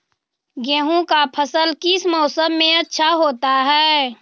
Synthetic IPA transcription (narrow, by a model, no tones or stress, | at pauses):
ɡeːɦũkapʰəsəlkɪsmɔːsəmːẽətːʃʰaɦoːt̪aɦɛː